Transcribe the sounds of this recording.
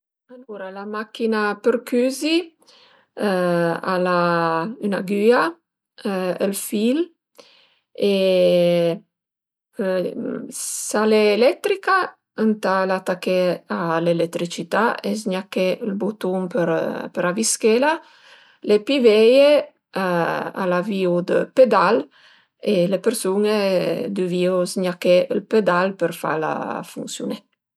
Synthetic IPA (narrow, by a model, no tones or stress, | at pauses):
aluɾalamakːinapəɾkyzi | a̰laynaɡya | əlfil | e | saleːlɛt̪ɾika | ənt̪alat̪akealelet̪ːɾit͡ʃit̪aes̬ɲakeəlbut̪uŋpəɾpəɾaviskela | lepiveje | aa̰laviud̪əped̪al | elepeɾsuned̪yviosɲakeəlped̪alpəɾfa̰la̰fuŋsjṵnɛ